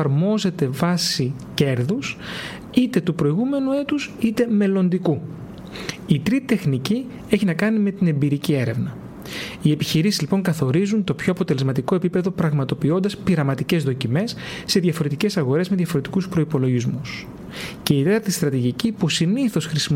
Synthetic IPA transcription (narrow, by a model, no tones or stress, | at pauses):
ɐɾmo̞ze̞t̪e̞vɐsi | ce̞ɾðus | it̪e̞t̪upɾo̞iɣume̞nue̞t̪usit̪e̞me̞lo̞nd̪iku | it̪ɾit̪it̪e̞xnici | e̞çinɐkɐnime̞t̪ine̞mbiɾicie̞ɾe̞vnɐ | ie̞piçiɾisizlipo̞ŋkɐθo̞ɾizunt̪o̞pço̞ɐpo̞t̪e̞le̞zmɐt̪iko̞e̞pipe̞ðo̞pɾɐɣmɐt̪o̞pio̞nd̪ɐspiɾɐmɐt̪ice̞zðo̞cime̞sː | e̞ðʝɐfo̞ɾe̞t̪ice̞sɐɣo̞ɾe̞zme̞ðʝɐfo̞ɾe̞t̪i̥kuspɾo̞ipo̞lo̞ʝizmus | ce̞it̪et̪ɐɾt̪ist̪ɾɐt̪iʝicipusiniθo̞sxɾisim